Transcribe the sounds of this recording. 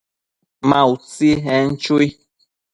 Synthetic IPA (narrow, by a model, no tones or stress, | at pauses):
mãut͡seɦɛn̩t͡ʃoi